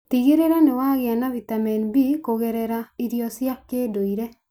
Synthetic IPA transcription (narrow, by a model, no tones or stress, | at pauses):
tiɣeɾeɾanewaɣeanavitamɛnbikoɣeɾɛɾaiɾjɔsjakedoiɾɛ